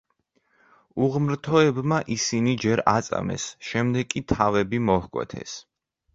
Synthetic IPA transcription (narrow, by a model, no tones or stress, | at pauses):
uʁmɾt̪ʰɔɛbmaʔisinid͡ʒɛɾat̪sʼa̰mɛ̰sʃɛmd̪ɛɡ̚kʼit̪ʰavɛbimɔhkʼwɛ̰t̪ʰɛ̰s